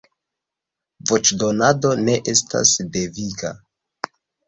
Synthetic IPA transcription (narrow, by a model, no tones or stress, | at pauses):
vot͡ʃdonado̞ne̞ʔe̞sta̰sde̞vika̰